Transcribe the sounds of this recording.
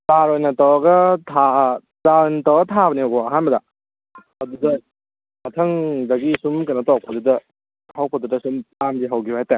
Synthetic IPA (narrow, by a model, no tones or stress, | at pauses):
taɾojnɐtawɡɐtʰa | taɾojnɐtawɡɐtʰabɐniawɡɔɐɦanbɐdɐ | ɐdudɐ | ɐtʰɐŋdɐɡisumkɐnɐtɔk̚pʰɔdudɐ | hawpʰɔdudɐsumamziɦawɡibaajta